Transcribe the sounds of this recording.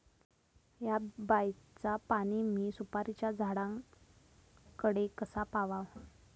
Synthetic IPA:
jabajt͡sapaɽ̃imiːsupaɾit͡ɕjad͡zʱaɽãŋ | kəɽekəsapaʋaʋ

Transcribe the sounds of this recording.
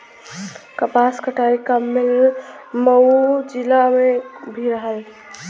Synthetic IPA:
kəpaskəʈʰaikəmːelməd͡ʒɪlamẽbʱiɾəɦəl

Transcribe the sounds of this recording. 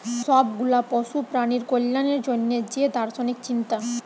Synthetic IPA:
ʃɔb̚ɡulapɔʃupɾaniɾkolːaneɾd͡ʑonːed͡ʑed̪aɾsonikt͡ɕint̪a

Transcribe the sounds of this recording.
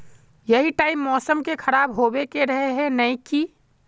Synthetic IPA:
jɐɦiʈaːɪmːɔːsəmkekʰɐɾaːbɦoːbekeɾɐɦeɦɛ̃nɐĩkiː

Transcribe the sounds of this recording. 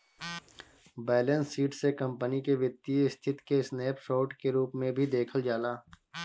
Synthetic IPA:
bɛːlə̃nsːiːʈsekə̃mpənikeʋjɪt̪ːiɪst̪ʰɪt̪kesneːpʃoːʈkeɾuːpmẽbʱid̪eːkʰəld͡ʒaːlaː

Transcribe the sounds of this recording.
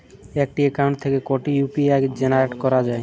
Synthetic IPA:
ɛk̚ʈiekawɳʈ̚t̪ʰekekoʈijupiaɡd͡ʑenaɾeʈkɔɾad͡ʑae

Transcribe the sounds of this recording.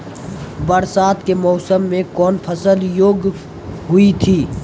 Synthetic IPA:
bəɾsaːt̪kemɔːsəmːẽkɔːnpʰəsəljoːɡ | ɦʊit̪ʰiː

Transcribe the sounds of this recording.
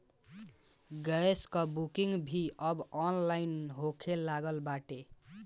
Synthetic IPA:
ɡəeskʌbukiŋɡbʱiʔʌbɔnlainɦokʰelaɡəlbaʈe

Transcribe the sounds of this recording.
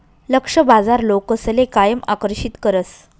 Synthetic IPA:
ləkʂəbad͡zaɾlokəslekajəma̰kəɾɕit̪kəɾət͡s

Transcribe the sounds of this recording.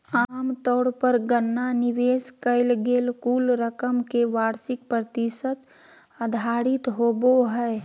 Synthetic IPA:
aːmt̪ɔːɽpəɾɡənːanɪʋeːskəɪlɡeːlkuːlɾəkəmkeʋaːɾsɪk̚pɾət̪ɪsət̪ | əd̪ʱaːɾɪt̪ɦoːboɦɛː

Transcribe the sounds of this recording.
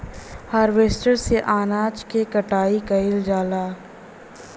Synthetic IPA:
haːɾʋeːsʈəɾseʔaːnaːt͡ʃkekɐʈaːikɐɪld͡ʒaːlaː

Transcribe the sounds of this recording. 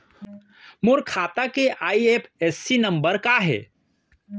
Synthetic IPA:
moɾkʰaːt̪akeʔaːiepʰesːinə̃mbəɾkaɦɛ̰ː

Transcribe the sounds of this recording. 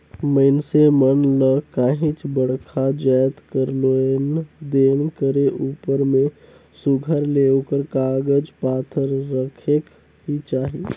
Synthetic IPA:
məɪnsemənləkaːɦĩt͡ʃbəɽkʰad͡ʒajt̪kəɾloend̪eːnkəɾeʔuːpəɾmẽ | suɡʱəɾleːokəɾkaːɡəd͡ʒpaːt̪ʰəɾːəkʰek | ɦit͡ʃaːɦi

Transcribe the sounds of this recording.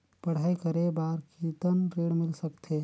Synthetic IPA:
pəɽ̤aikəɾebaɾkit̪ənɾeɽmɪlsək̚t̪ʰe

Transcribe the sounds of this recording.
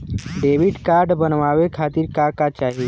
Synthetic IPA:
ɖeːʋiɖkaːɾɖbənʋaːʋekʰaːt̪iːɾkakat͡ʃaːɦie

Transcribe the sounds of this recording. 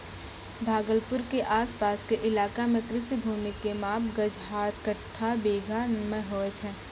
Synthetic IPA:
bʱaːɡəlpʊɾkeʔaːspaːskeʔɪlaːkamẽkɾɪʃibʱuːmɪkːemaːpɡəd͡ʒʱɦaːt̪̚ʰkəʈʰːabeːɡʱamẽɦoːet͡ʃʰɛ̃ː

